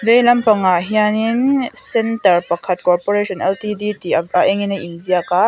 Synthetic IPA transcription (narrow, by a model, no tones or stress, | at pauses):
zejlɐmpɐŋaʔɦianiŋsɛntɐrpɐkʰɐt̪̚kɔrpɔɾeʃɔnʔɛltiditiaʔɛŋinɐjʔinziaka